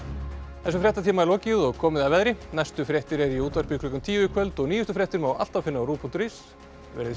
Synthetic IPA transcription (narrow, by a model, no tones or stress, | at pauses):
θɛsːʏfɾjɛht̪at̪ʰiːmaɛɾlɔːcɪðɔɣkʰɔːmɪðaðvɛðɾɪnajst̪ʏfɾjɛht̪ɪɾɛɾiuːt̪vaɾ̥piklʏkʏmt̪ʰiːvʏkʰvœlt̪ɔɣniːjʏst̪ʏfɾjɛht̪ɪɾmawʔa̰l̥t̪avfɪnːɪawɾuːpʰunt̪ɾis | vɛ̰ːɾɪð